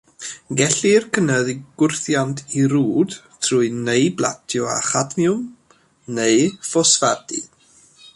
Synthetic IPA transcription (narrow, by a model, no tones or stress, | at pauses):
ɡɛɬirkʰənəðiɡ̥ʊrθjantʰiɾuːd̥ | tʰruɨnejbla̰tʰjɔa̰χadmiʊm | neɨfɔsvad̥ḭ